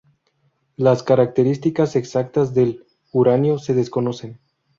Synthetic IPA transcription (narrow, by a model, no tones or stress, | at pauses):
laskaɾak̚t̪eɾist̪ikase̞ksakt̪azðe̞l | uɾanjo̞se̞ð̞e̞sko̞no̞se̞n